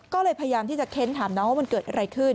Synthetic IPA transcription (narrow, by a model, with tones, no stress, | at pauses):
kɔː˥˩lɤː˧jpʰa˧ja˧jaː˧mt̪ʰiː˥˩t͡ɕa˨˩kʰe˦˥nt̪ʰaː˩˦mnɔː˦˥ŋwaː˥˩ma˧nkɤː˨˩t̪ʔa˧ɾa˧jkʰɯ˥˩n